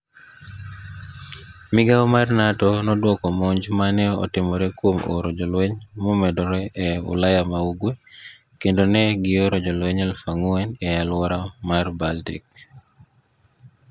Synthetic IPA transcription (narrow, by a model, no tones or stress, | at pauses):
mɪɡaɔmarnatɔnɔdwɔkɔmoɲd͡ʒmanɛɔ̰tɪmɔɾɛkwomo̰ɾod͡ʒɔlweɲmɔmɛdɔɾɛʔɛʊ̰lajamauɡwe | kendonɛɡɪoɾɔd͡ʒɔlweɲɛlfaŋuɛnɛalwɔɾamarbaltḭk̚